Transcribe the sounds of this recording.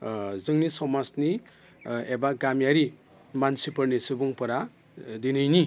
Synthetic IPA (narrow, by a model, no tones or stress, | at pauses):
zɯŋnisɔmasni | ebaɡamjaɾi | mansipɯɾnisɯbuŋpɔɾa | dinɯjni